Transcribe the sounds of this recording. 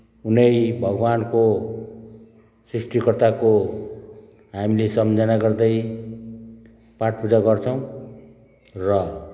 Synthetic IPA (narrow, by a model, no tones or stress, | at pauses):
unʌjbʱʌɡwanko | srisʈikʌrt̪ako | ɦamilesʌmd͡zʌnaɡʌrd̪ʌj | paʈ̚pud͡zaɡʌrt͡sʰʌw̃ | rʌ